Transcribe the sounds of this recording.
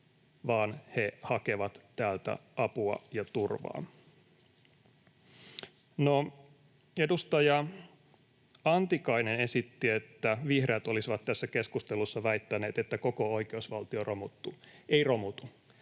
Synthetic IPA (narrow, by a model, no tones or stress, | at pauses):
ʋɑːnhe̞hɑke̞ʋɑt̪t̪æːlt̪æ̰ʔɑpuɑ̰jɑt̪urʋɑ̰ː | no | edust̪ɑjɑ | ɑnt̪ikɑinene̞sit̪ːiet̪ːæʋihreːt̪o̞lisiʋɑt̪t̪ːæsːæke̞skust̪elusːɑʋæit̪ːæne̞ːt̪et̪ːæko̞koo̞ikeusʋɑlt̪iorʔomut̪ːueiro̞mut̪u